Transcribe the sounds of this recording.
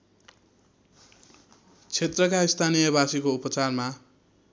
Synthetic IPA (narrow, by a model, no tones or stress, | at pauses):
t͡sʰet̪rʌkaist̪ʰanijʌbasikoupʌt͡sarma